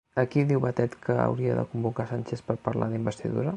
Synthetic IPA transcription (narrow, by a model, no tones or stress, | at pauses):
əkiðiwβət̪ɛt̪kʰəə̰wɾiəðə̰kumbukasanʲt͡ʃespəɾpəɾla̰ðimbəst̪iðṵɾə